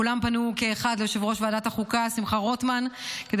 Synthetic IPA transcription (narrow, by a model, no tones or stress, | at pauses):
ulampanuke̞ːχad̪lejoʃevʁo̞ʃveadataχukasimχaʁo̞tmanked̪